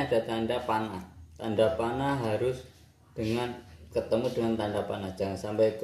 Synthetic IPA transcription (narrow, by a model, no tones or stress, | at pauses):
ad̥a̤t̪anɖapanaht̪a̰nɖapanaɦaɾʊs | d̥əŋankət̪əmudəŋant̪aɳɖapanahd̥ʒ̥aŋansampait̪u